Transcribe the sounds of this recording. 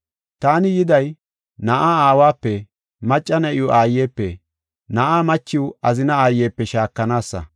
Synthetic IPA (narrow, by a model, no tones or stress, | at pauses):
t̪aːnɪjɪd̪ɐj | nɐʔaːaːwaːpːɛ | mɐt͡ʃʼːɐnɐʔɪjʊʔaːjːeːpːɛ | nɐʔaːmɐt͡ʃːɪwɐzɪnɐaːjeːpːɛʃaːkːɐnaːsːɐ̰